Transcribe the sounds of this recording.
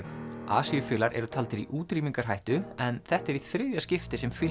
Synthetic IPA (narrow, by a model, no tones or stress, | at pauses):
a̰ːsijʏfɪːlaɾʔɛ̰ɾʏt̪ʰalt̪ɪɾiʔuːt̪ɾiːmiŋkaɾ̥ɦajht̪ʏɛnθɛht̪ɛɾiθɾʏːjascɪft̪ɪsɛmfɪ